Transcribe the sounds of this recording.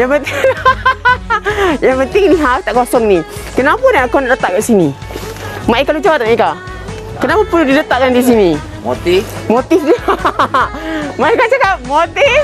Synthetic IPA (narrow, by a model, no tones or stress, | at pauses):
jaŋpənt̪ | jaŋpənt̪ɪŋniɦat̪aʔkasɔnnikənapunakawnaʔdət̪aʔkaʔsini | maʔikalud͡ʒawat̪̚ʔŋaika | kənapapuludidət̪aʔkandis̬ini | mot̪imot̪ifni | maikasakamot̪if